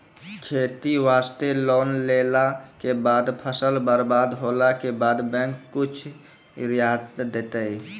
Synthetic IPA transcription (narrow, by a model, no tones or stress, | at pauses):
kʰeːt̪iʋaːst̪eloːnleːlakebaːd̪pʰəsəlbaɾbaːd̪ɦoːlakebaːd̪bɛ̃ːŋkːʊt͡ʃʰ | ɾjaːt̪d̪eːt̪əi